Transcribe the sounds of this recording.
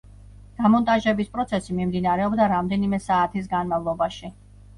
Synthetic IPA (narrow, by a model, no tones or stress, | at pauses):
d̪̥amɔnt̪ʼaʒɛbispʼɾɔt̪sʰɛsimimd̪inaɾɛɔbd̪aɾamd̪ɛnimɛsaːt̪ʰis̬ɡanmavlˠɔbaʃi